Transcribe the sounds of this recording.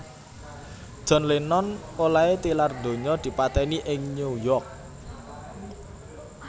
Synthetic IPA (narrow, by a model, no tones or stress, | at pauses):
d̥ʒ̥ɔ̤nlenɔnolaet̪ilard̪̥o̤ɲɔd̪̥i̤pat̪ɛniʔɪŋɲujɔk̚